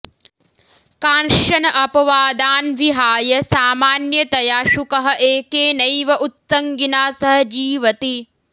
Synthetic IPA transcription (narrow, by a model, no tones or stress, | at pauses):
kaːnʃɐnɐʔɐpɐʋaːd̪aːnʋiɦaːjɐsaːmaːnjɐt̪ɐjaːʃukɐɦɐ̆ʔeːkeːnɐjʋɐʔut̪sɐŋɡinaːsɐɦɐd͡ʒiːʋɐt̪i